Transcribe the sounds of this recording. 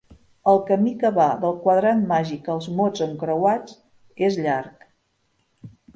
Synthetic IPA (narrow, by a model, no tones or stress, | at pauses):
əlˠkəmikəβaðəlˠkwəðɾanmaʒikəlˠzmod͡zəŋkɾəwat͡s | ezʎaɾk